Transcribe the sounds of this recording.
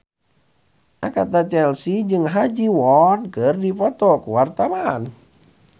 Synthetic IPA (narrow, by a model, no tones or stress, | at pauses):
ʔakat̪at͡ʃɛlsid͡ʒɨŋɦad͡ʒiwɔnkərdipɔt̪ɔkuwart̪awan